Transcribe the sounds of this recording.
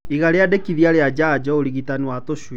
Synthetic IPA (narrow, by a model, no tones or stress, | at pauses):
iɣaɾeadekiðiaɾead͡ʒad͡ʒɔoɾiɣitaniwatoʃw